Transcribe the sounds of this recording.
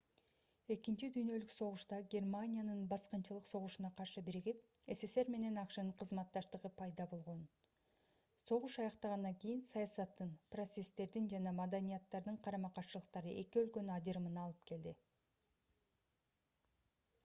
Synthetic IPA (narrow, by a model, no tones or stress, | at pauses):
e̞kint͡ʃid̪yjnø̞lykso̞ʁuʃt̪ɑɡʲe̞rmanʲijanɯnbɑsqɯnt͡ʃɯlˠɯqso̞ʁuʃunɑqʰɑɾʃɯbiɾiɡip̚e̞se̞se̞ɾme̞ne̞nɑqʃɯnɯɴqʰɯzmɑt̪ːɑʃt̪ɯʁɯpʰɑjd̪ɑbo̞lˠʁo̞n | so̞ʁuʃɑjɑqt̪ɑʁɑnd̪ɑŋkijinsɑjɑsɑt̪ːɯnpro̞t̪se̞st̪e̞ɾd̪ind͡ʒɑnɑmɑd̪anʲijɑt̪ːɑɾd̪ɯɴqʰɑɾɑmɑqɑɾt͡ʃɯlˠəq̚t̪ɑɾɯʔe̞kiø̞lkø̞nyɑd͡ʒɯɾɯmɯnɑlˠɯpke̞ld̪i